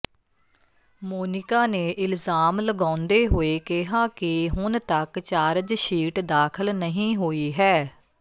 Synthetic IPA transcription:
moːnɪkaːneːʔɪlzaːmləɡãːʊnd̪eːɦoːeːkɪɦaːkɪɦʊnt̪əkt͡ʃaːɾd͡ʒʃiːʈd̪aːkʰəlnəɦĩːɦoːiːɦɛː

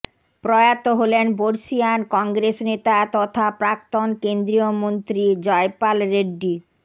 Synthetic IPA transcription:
pɾɔeat̪oɦolenboɾsiankɔŋɡɾesnet̪at̪ɔt̪ʰapɾak̚t̪onkend̪ɾiomont̪ɾid͡ʑɔepalɾeɖːi

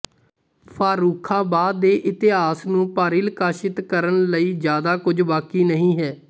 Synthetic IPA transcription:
pʰaːɾuːkʰãːbaːd̪ːeːʔɪt̪ɪɦaːsnũːpaːɾiːlkaːʃɪt̪kəɾənləiːzjaːd̪aːkʊd͡ʒbaːkiːnəɦĩːɦɛː

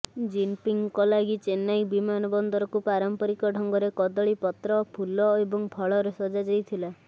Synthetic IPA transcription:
d͡ʒinpiŋkɔlaɡit͡ʃenajbimanɔbɔnd̪ɔɾɔkupaɾɔmpɔɾikɔɖʱɔŋɡɔɾekɔd̪ɔɭipɔt̪ɾɔpʰulɔebɔŋbʱɔɭɔɾesɔd͡ʒad͡ʒajt̪ʰila

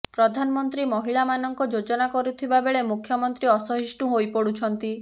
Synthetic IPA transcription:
pɾɔd̪ʱanɔmɔnt̪ɾimɔɦiɭamanɔŋkɔd͡ʒod͡ʒɔnakɔɾut̪ʰibabeɭemukʰjɔmɔnt̪ɾiɔsɔɦisʈuɦojpɔɽut͡ʃʰɔnt̪i

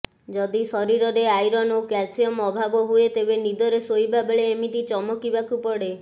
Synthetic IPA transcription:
d͡ʒɔd̪isɔɾiɾɔɾeajɾɔnokasiɔmɔbʱabɔɦuet̪ebenid̪ɔɾesojbabeɭeːmit̪it͡ʃɔmɔkibakupɔɽe

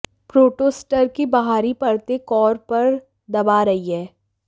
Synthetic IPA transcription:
pɾoːʈoːsʈəɾkibɐɦaːɾipɐɽt̪ekɔːɾpɐɾ | d̪ɐbaɾɐɦiɦɛː

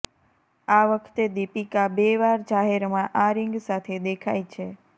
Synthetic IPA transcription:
aʋəkʰt̪ed̪ipikabeʋaɾd͡ʒaɦeɾmãʔaɾɪŋɡsat̪ʰed̪ekʰa̰jt͡ʃʰe

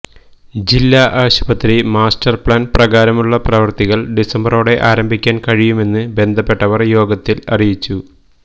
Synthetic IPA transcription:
d͡ʑilːaːʔaːɕubɐt̪rimaːsʈɐrpɭaːnprɐɣaːɾɐmuɭːɐprɐʋɐrt̪iɣɐɭɖisɐmbɐro̞ːɽe̞ʔaːɾɐmbʱikʲːaːnkɐɻijume̞nːɨbe̞nd̪ʱɐpːe̞ʈːɐʋɐrjo̞ːɡɐt̪ːilɐ̰rijit͡ɕːu

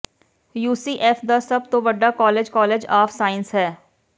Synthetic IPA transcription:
juːsiːʔɛːfʰd̪aːsɐb̚t̪õʋəɖːaːkɔːleːd͡ʒkɔːleːd͡ʒaːfʰsaːɪnsɦɛː

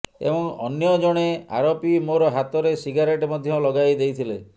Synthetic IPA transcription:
ḛbɔŋɔ̰njɔd͡ʒɔɽ̃ea̰ɾɔpimoɾɔɦat̪ɔɾesiɡaɾeʈɔmɔd̪ʱjɔlɔɡajd̪ejt̪ʰile

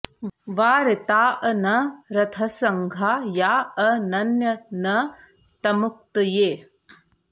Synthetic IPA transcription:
ʋaːɾɪt̪aːʔɐnɐɾɐt̪ʰɐsɐŋɡʱaːjaːɐnɐnjɐnɐ | t̪ɐmuk̚t̪ɐjeː

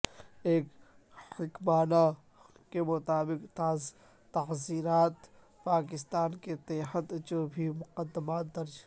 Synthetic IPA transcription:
eːk | hɪkmaːna | kemʊt̪aːbɪqt̪aːz | t̪ɐɦziːnaːt̪ | paːk̬ɪst̪aːnket̪eːɦət̪d͡ʒoːbʱimʊqəd̪ːəmaːt̪̚d̪ɐɾd͡ʒ

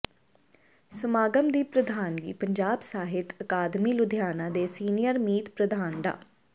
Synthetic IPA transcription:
səmaːɡəmd̪iːpɾəd̪ʱaːnɡḭːpəɲd͡ʒaːbsaːɦɪt̪əkaːd̪miːlʊd̪ʱjaːnãːd̪eːsiːnijəɾmiːt̪pɾəd̪aːnɖa̰ː

